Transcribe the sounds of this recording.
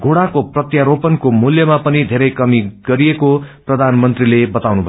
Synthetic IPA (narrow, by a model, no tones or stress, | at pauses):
ɡʱoɽakoprʌt̪jaɾopʌnkomuljʌmapʌnid̪ʱeɾʌjkʌmiɡ̥ʌɾijekoprʌd̪ʱanmʌnt̪rilebʌt̪awnubʱʌ